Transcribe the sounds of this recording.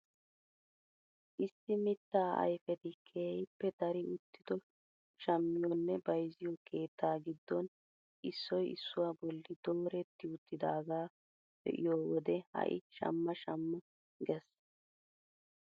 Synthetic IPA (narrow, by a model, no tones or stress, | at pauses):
ʔɪsːɪmɪt̪ːaːʔɐ̰jfɛt̪ɪkʰeːjpːɛd̪ɐɾɪʊt̪ːɪd̪̥ɔ | ʃɐmːɪjɔnːɛbɐjzɪjɔkʰe̞ːt̪ʰːaːɡɪd̪ːɔn | ʔɪsːɔjɪ̰sːʊwaːbɔlːɪd̪oːɾɛt̪ːɪʊt̪ːɪd̪aːɡaː | b̥ɛ̰ʔɪ̰joːwɔd̪ɛhɐ̰ʔɪ̰ʃɐ̰mːɐʃɐmːɐ | ɡɛs